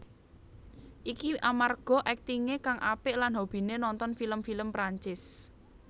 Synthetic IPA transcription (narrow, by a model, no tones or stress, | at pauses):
ʔikiʔamarɡ̥ɔ̤ʔɛk̚t̪iŋekaŋʔapɪʔlanɦob̥i̤nenɔnt̪ɔnfiləmfiləmpɾaɲt͡ʃɪs